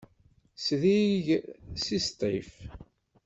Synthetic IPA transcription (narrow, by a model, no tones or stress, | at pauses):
sðiʝsist̪ˤḭf